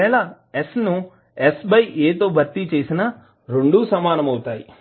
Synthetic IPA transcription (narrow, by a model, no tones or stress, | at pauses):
ɛːɭa | esnu | esbɐjeːt̪o̞ːbʱɐɾt̪it͡ʃe̞ːsinɐ | ɾeɳɖuːsɐmaːnɐmɐwut̪aːji